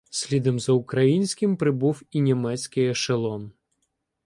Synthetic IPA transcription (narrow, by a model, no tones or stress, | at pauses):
sʲlʲid̪ɔmzɐʊkɾɐjinʲsʲkʲɪmpɾɪbuwinʲimɛt͡sʲkɪjɐʃelˠɔm